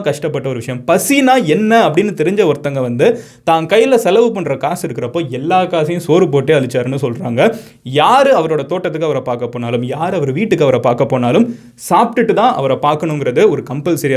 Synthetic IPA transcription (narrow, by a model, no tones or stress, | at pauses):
kɐʂʈɐpːɐʈːɐɔɾɯʋɪʂɐjɐmpɐsinaːɛnːɐːpːɐɽɪnːɯt̪ɛɾɪɲd͡ʒɐɔɾt̪ːɐŋɡɐʋɐnd̪ɯ | t̪aːŋkɐjːɪlɐsɛlɐʋɯpɐɳːɾɐkaːsɪɾɯkːɪɾɐpːoːɛlːaːkaːsɐjʊ̃soːɾɯpoːʈːeːɐɭɪt͡ʃːaːɾɯnːɯsɔlraːŋɡɐ | jaːɾɯɐʋɐɾoːɽɐt̪oːʈːɐt̪ːɯkːɯɐʋɐɾɐpaːɾkɐpːoːnaːlɯmjaːɾɐʋɐɾʋiːʈːɯkːɯɐʋɐɾɐpaːɾkɐpːoːnaːlɯm | saːp̚ʈɯʈːɯt̪ãːʔɐ̰ʋɐɾɐpaːɾkɐɳʊŋɡɪɾɐðɯɔɾɯkɐmpɐlsɪɾɪj